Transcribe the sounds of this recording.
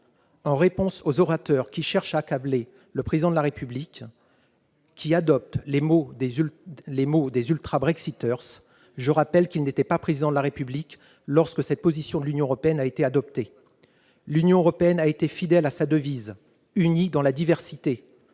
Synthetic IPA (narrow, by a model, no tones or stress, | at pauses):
ɑ̃ʁepɔ̃sozɔʁat̪œʁkʲiʃɛʁʃaːkable | ləpχezid̪ɑ̃d̪əlaʁepyblik | kʰʲːiad̪ɔp̚t̪lemo | lemod̪ezylt̪χabʁɛksit̪œʁs | ʒəʁapɛlkʲilnet̪ɛpapχezid̪ɑ̃d̪əlaʁepyblik | lɔʁskəsɛt̪̚pozisjɔ̃d̪əlynjɔ̃øʁɔpeɛnaet̪ead̪ɔp̚t̪e | lynjɔ̃øʁɔpeɛnaet̪efid̪ɛlasad̪əviz | ynid̪ɑ̃lad̪ivɛʁsit̪e